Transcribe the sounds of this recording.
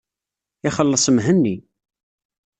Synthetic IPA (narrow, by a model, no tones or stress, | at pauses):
ɪχəlːəsˤəmɦənːi